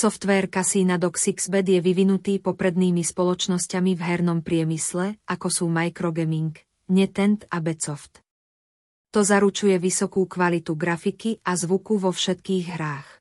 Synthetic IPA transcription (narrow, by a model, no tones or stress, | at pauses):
sɔft̪ʋɛɾkasiːnad̪ɔksiɡz̥bɛd̪jɛʋiʋinut̪iːpɔpɾɛd̪niːmispɔlɔt͡ʃnɔscamivɦɛɾnɔmpɾɪɛmislɛʔakɔsuːmajkɾɔɡɛmiŋk | ɲɛt̪ɛnt̪abɛt͡sɔft̪ | t̪ɔzaɾut͡ʃujɛʋisɔkuːkʋalit̪uɡɾafikiʔazʋukuʋɔfʃɛt̪kiːɣɦɾaːx